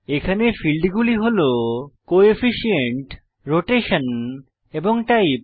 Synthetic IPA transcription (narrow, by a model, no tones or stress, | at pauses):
ekʰanefilɖɡuliɦolokoefiʃieɳʈ | ɾoʈeʃan | eboŋʈaj